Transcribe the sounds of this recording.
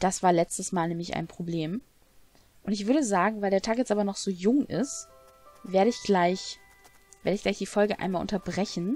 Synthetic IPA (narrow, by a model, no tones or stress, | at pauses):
d̥asv̥aːɐlɛt͡stəsmaːlnɛːmɪça̰ɪnpʁ̥obleːm | ʔʊntɪçv̥ʏɐɾdəzaːɡŋ̩vaɪldeːɐtʰaːkjɛt͡sʔaːbɐnɔχz̥oːjʊŋʔɪ̰st | veːɐɾəɪçɡ̥laɪç | v̥eːɐdəɪçɡ̥laɪçd̥iːfɔlɡəʔa̰ɪnmaːlʔʊ̰ntɐbʁɛçn̩